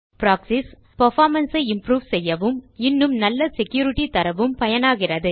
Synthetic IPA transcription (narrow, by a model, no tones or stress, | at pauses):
pɾaːksɪs | pɐɾfaːɾmɐnsɐɪɪmpɾuːʋsɛjːɐʋɯmɪnːɯmnɐlːɐsɛkjuːɾɪʈit̪ɐɾɐʋɯmpɐjɐnaːɣɪrɐðɯ